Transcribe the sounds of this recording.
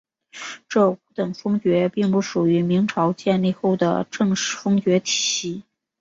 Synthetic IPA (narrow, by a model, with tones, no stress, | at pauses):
ʈ͡ʂɤ˥˩u˧˥t̪ɤ˨˩ŋfɤ˥ŋt͡ɕɥɛ˧˥pi˥˧ŋpu˥˩ʂu˨˩y˧˥mi˧˥ŋʈ͡ʂʰɑ˧˥ʊt͡ɕjɛ˥˧nli˥˧xo˥˩ʊd̪ə̰˩ʈ͡ʂɤ˥˧ŋʂ̩˥˩fɤ˥ŋt͡ɕɥɛ˧˥t̪ʰi˧˥